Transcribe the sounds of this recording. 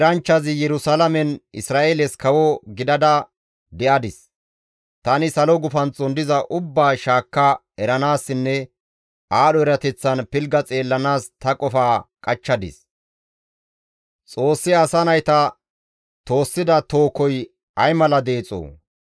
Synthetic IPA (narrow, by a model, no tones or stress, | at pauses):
ɾɐnt͡ʃːɐzɪjɛɾʊsalɐmɛnɪsɾaːʔeːlɛskɐwɔɡɪd̪ɐd̪ɐ | d̪ɛʔɐd̪ɪs | t̪ɐnɪsɐlɔɡʊfɐnt͡sʼɔnd̪ɪzɐʔʊbːaːʃaːkːɐ | ɛɾɐnaːsːɪnːɛ | ʔaːɗɔɛɾɐt̪ɛt͡sːɐnpɪlɡɐt͡sʼe̞ːlːɐnaːst̪ɐkʼɔfaːkʼɐt͡ʃːɐd̪ɪ̰s | t͡sʼo̞ːsːɪɐsɐnɐjt̪ɐ | t̪o̞ːsːɪd̪ɐt̪o̞ːkɔj | ɐjmɐlɐd̪e̞ːt͡sʼo̰ː